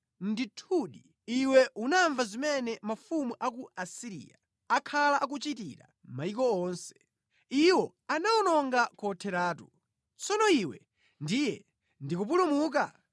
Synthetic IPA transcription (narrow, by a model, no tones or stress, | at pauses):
nditʰuɗi | iwɛʔunaɱvazimɛnɛmafumuʔak̬uasiɾḭːja̰ | akʰalaʔak̬ut͡ʃitḭɾa̰ | maikɔɔːnsɛ̥ | iwɔ | anaɔnɔŋɡakɔtʰɛɾaːtu | t͡sɔnɔiwɛ | ndijɛ | ndikup̬ulumuːk̬a